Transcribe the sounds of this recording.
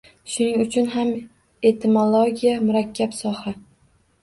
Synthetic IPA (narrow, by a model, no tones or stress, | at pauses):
ʃʊnɪŋʊt͡ʃʰʊnɦam | e̞t̪ʰɪmolˠoɡʲijamʊɾakʲʰːapsɒha